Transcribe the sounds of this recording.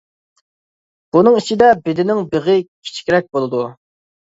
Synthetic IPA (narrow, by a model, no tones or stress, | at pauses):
b̥unɨŋit͡ʃʰid̪ɛbɪd̪ɪnɪŋbeʁɪkʲʰi̥t͡ʃʰi̥kʲɾɛk̚ʲbolˠɨd̪u